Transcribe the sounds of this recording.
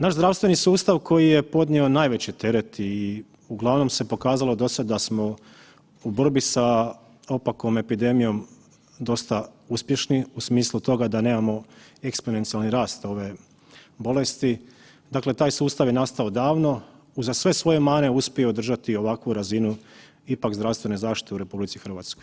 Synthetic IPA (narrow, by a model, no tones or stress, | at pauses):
naʒzdɾaʋst̪ʋe̞nisuːst̪aʋkʰo̞jije̞po̞d̪nʲionaːjʋe̞t͡ɕit̪e̞ɾe̞t̪i | uɡlˠaʋno̞mse̞po̞kaːzalˠo̞d̪o̞sad̪d̪asmo̞ | uborbisa | o̞pako̞me̞pid̪e̞mijo̞m | d̪o̞st̪auspje̞ʃniusmiːslˠut̪o̞ɡad̪ane̞ːmamo̞ekspone̞nt̪sialniɾaːst̪o̞ʋe̞ | bo̞le̞st̪i | d̪akle̞t̪aːjsuːst̪aʋje̞nast̪ao̞d̪aːʋno̞ | uzasʋe̞sʋo̞je̞maːneuspʲjieod̪r̩ʒat̪io̞ʋakʋuɾazinu | ipakzd̪ɾafst̪ʋe̞ne̞zaːʃt̪i̥t̪e̞uɾe̞publit̪sixr̩ʋaːt̪skojj